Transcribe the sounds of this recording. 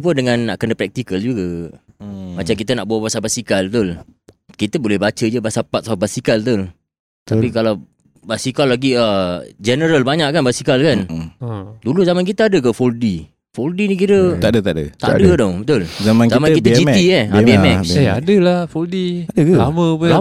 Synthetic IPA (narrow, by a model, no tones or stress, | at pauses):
pəndəŋãnːa̰ʔkənəpɾɛk̚t̪ikəld͡ʒukə | mat͡ʃamkit̪ənaʔ̚bawabasabasikalbət̪ʊl | kit̪əbolɛhbat͡ʃəd͡ʒəbasapat̪sbasikalt̪ʊl | t̪apikalaw | basikalːaɡiəd͡ʒɛnəɾəlbaɲaʔkanbasikalkan | duluzamank̬it̪əadəkəfoldi | foldinik̬iɾət̪adət̪adə̰t̪a̰dədɔbət̪ʊlzamankzamankit̪əd͡ʒiiɛabiɛmɛajaadəlafoldiadəkəlamə̃pə